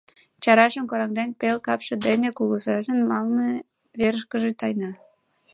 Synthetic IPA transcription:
t͡ɕɑɾɑʃəmkoɾɑŋd̪enpelkɑpʃĕd̪enekuɣusɑʒənmɑlnĕ | βeɾəʃkəʒet̪ɑjnɑ

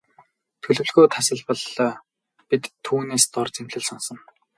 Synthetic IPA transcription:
t̪ʰɵɮɵ̆wɮɣujt̪ʰasə̆ɮpə̆ɮ | pit̪ʰːuːneːst̪ɔrt͡semɮɘ̆ɮsɔnsɞ̆n

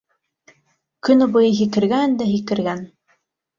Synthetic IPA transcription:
kɵ̆nŏbɤ̆jɤɦikɘ̆ɾɡænd̪æɦikɘ̆ɾɡæn

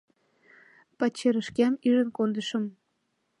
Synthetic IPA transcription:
pɑt͡ɕeɾə̆ʃkæmyʒə̆nkond̪əʃə̆m

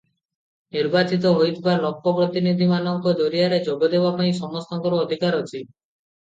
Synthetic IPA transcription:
niɾbat͡ʃit̪̬ɔɦojt̪baɾlɔkːɔpɾɔt̪inid̪ʱimanɔŋkɔd̪oɾiaɾed͡ʒɔbɔd̪ebapaĩsɔŋɔst̪aŋkɔɾɔɔd̪ʱikaɾot͡ʃʰi

